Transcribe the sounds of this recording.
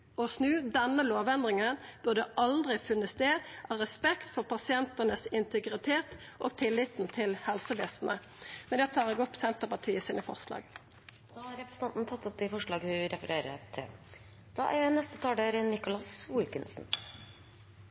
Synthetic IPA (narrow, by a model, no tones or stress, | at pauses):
ɔsnʉːd̪ɛnːəloːʋɛnd̪ʁɪŋənb̥ʉʁd̪ɛʔɑld̪ʁɪfʉnːəst̪eːd̪ʔɑːʁɛspɛkt̪fɔʁpʰɑsɪɛnt̪ənəsɪnt̪əɡʁɪt̪ʰeːt̪ʔo̰ːɡ̚t̪ʰɪlːɪt̪n̩t̪ʰɪlhɛlsəʋeːsn̩ə | mɛnd̪ɛt̪ʰɑːʁɛɡɔpːsɛnt̪əʁpɑʈ̪ʰiːəsiːnəfɔ̰ʁslɑ̰ːɡ | d̪ɑːhɑɾɛpɾəsɑnt̪n̩t̪ʰɑt̪ːʊp̪̚ɪfɔʂɭɑːɡhʉɾɛfəɾeːɾə̰t̪ʰɪ̰l | d̪̥ɑ̰ːʔæɾnɛst̪ət̪ʰɑːɖeːɾnɪkʊlɑswɪlkənsn̩